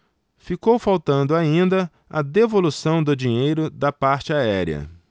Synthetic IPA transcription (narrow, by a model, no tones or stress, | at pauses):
fikowfawt̪ɐ̃nd̪ʊaĩnd̪ɐ | ɐd̪evolusɐ̃w̃d̪ʊd͡ʒĩɲejɾʊd̪ɐpaɾt͡ʃɪaɛɾiɐ̰